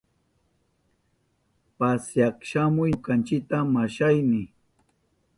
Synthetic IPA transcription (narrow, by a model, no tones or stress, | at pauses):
pasjakʃamʊjkant͡ʃɪk̚t̪amaʃajnɪ